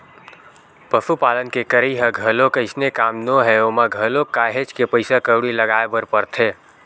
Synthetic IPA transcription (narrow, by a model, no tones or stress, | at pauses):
pəsupaːlənkekəɾiɦəɡʱəlõkəɪsnekaːmnoɦɛoːmaɡʱəlõkaɦet͡ʃkepəɪsakəɽiləɡaːebəɾpəɾt̪ʰẽː